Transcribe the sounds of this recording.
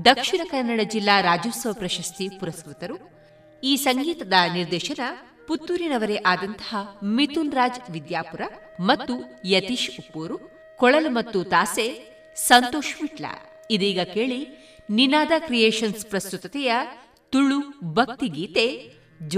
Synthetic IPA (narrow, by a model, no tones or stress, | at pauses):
d̪ɐkʂinɐkɐɾnːɐɽɐd͡ʒilːaːɾaːd͡ʒuːsɐʋɐpɾɐʃɐst̪ipuɾɐskɾut̪ɐɾu | iːsɐŋɡiːt̪ɐd̪ɐniɾd̪ɛːʃɐnɐ | put̪ːuɾinɐʋɐɾeʔaːd̪ɐnt̪ɐ̥ɦɐmit̪unɾaːd͡ʒʋid̪jaːpuɾɐ | mɐt̪ːujɐt̪iʃupːoːɾu | kɔɭɐlumɐt̪ːut̪aːse | sɐnt̪oːʃmiʈlɐ̰ | id̪iːɡɐkeːɭi | ninaːd̪ɐkɾijeːʃɐnspɾɐst̪ut̪ɐt̪ɛjɐ | t̪uɭːubʱɐk̚t̪iɡiːt̪e | d͡ʒ